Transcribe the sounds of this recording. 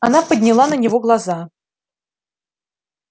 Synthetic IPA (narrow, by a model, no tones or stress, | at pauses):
ɐnapədʲnʲɪlˠanənʲɪvoɡlˠɐza